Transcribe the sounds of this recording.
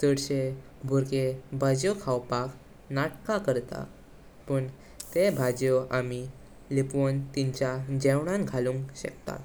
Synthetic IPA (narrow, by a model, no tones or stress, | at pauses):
səɽɕe | bʱuɾkebʱad͡ʑjokʰawpak | naʈkakəɾt̪a̰ | pəɳ | t̪ebʱad͡ʑjoʔami | lipont̪iɲt͡ɕjad͡ʑɛwɳ̃ãnɡʱaluŋkɕə̰k̚t̪a̰t̪